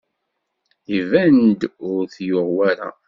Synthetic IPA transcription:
ivænd̪ʊɾθjʊʁwæɾa̰

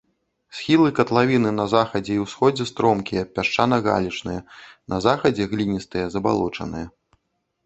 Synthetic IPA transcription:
sʲxʲilˠɨkɐt̪lˠavʲinɨnɐzaxɐd͡zʲɛiwsxɔd͡zʲɛst̪ɾɔmkʲijɐpʲaʂt͡ʂanɐɣa̰lʲit͡ʂnɨjɐnʔɐzaxɐd͡zʲɛɣlʲinʲist̪ɨjɐzɐba̰lˠɔt͡ʂɐ̰nɨjɐ

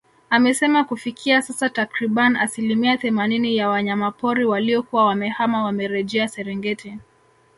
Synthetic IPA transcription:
amɛsɛmakufikʰiasasatakɾiɓaniasilimiaθɛmaninijawaɲamapɔɾiwaliɔkuwawamɛhamawamɛɾɛʄɛasɛɾɛŋɡɛti

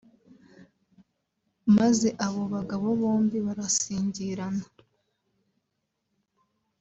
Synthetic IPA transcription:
maze̞ʔaβo̞βaɡaβoβoːmbiβaɾasiːɲɟiɾana

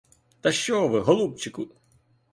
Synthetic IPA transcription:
t̪ɐʃt͡ʃɔʋɪɦɔlˠup̚t͡ʃɪkʊ

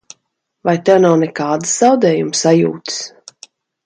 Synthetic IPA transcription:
vajt̪ɛwnawnɛkaːd̪ɨ̥sz̥awd̪ɛːjumsajuːt̪s

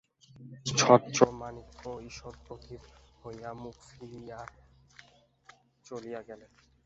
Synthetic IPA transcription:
t͡ɕʰɔt͡ɕomanikːoiʃoɾpɾokʰit̪hojamukfiɾija | t͡ɕolijaɡɛle

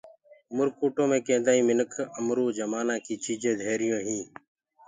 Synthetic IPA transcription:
mʊɾkuːʈõːmẽːkẽːd̪aːiːmɪnəkʰəmɾuːd͡ʒəmaːnãːkiːt͡ʃiːd͡ʒẽːd̪ʱeːɾɪjõːɦĩː

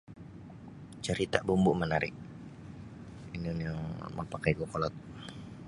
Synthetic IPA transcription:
t͡ʃəɾit̪aʔbumbʊʔmənaɾɪʔ | inoniɔmə̰pakajkokɔlɔt̪̚

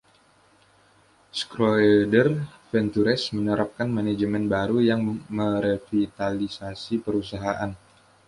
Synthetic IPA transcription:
skɾoɛdərfɛnt̪uɾɛsmənəɾap̚kanmanad͡ʒəmɛnbaɾujaŋməɾəfit̪alisasipəɾusaɦaʔan

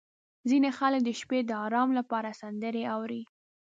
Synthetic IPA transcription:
zinexalək̚d̪əʃped̪əɑɾɑmlapɑɾasand̪əɾeawɾi

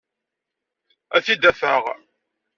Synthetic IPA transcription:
æθid̪æθəʁ

